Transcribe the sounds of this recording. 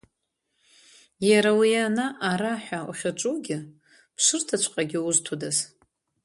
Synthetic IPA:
jaɾawianaʔaɾaħʷᶣaṵχʲaʈ͡ʂʼuɡʲɪ | pʰʂɨrtʰat͡ʃʷʰqʼaɡʲɪuztʰudaz

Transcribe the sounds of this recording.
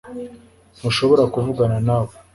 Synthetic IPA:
muʃo̞βo̞ɾakuvuɡananaːβo

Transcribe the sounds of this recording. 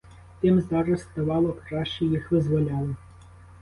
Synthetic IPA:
t̪ɪmzaɾɐst̪ɐvɑlˠɔkɾaʃt͡ʃejixvɪzvɔlʲalˠɔ

